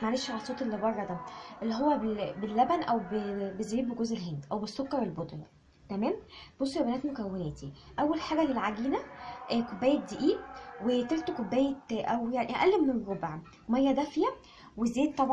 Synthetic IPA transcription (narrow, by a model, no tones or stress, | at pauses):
maʕɾeʃʕlɑlsˤoːt̪ˤelːebɑrˤːɑd̪æʔelːiɦowːæbebelːæbænʔæwbebeziːb̚beɡozʔelɦend̪ʔæwbesːokːɑɾˤelbod̪ˤjɑ | t̪æmæːmb̥osˤːolæbænæːt̪mokæwːenæːt̪iʔæwːælħaːɡælelʕaɡiːnæʔkobːæːjet̪̚d̪eʔiːwet̪elt̪okobːæːjeʔæwjaʕniʔæ̰ʔælːemːenɾobʕ | mæjːæd̪æfijæ | wezːeːt̪ːɑbʕ